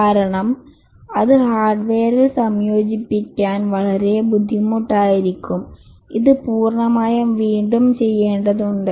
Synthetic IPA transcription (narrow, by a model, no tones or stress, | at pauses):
kaːɾɐɳɐm | ɐðɯhaːrɖʋeːɾilsɐmjoːd͡ʒipːikʲːaːnʋɐɭɐɾeːbud̪ʱːimuʈːaːjiɾikʲːɯm | iðɯpuːrɳɐmaːjɐʋiːɳɖumt͡ɕɛjːeːɳɖɐðuɳɖɨ